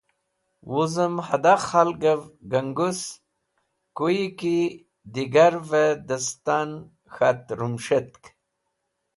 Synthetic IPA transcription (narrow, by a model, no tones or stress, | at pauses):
wuzəmhad̪aχalɡəvɡəŋɡus | kujiki | d̪iɡaɾved̪əst̪an | xat̪ɾumʂet̪̚k